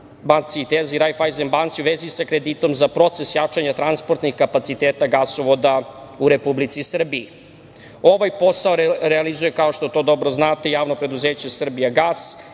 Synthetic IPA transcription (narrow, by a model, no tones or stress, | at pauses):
bant̪siːt̪eziɾajfajzembant̪siuʋezisakɾed̪it̪o̞mzapɾo̞t̪se̞sjat͡ʂaɲat̪ɾanspo̞ɾt̪nixkapat̪sit̪eːt̪aɡasoʋo̞d̪auɾepublit̪sisr̩biː | o̞ʋajpo̞saoɾealizuje̞kao̞ʃt̪o̞t̪o̞d̪o̞bɾo̞znaːt̪ejaːʋno̞pɾe̞d̪uzeːt͡ɕe̞sr̩bijaɡaːs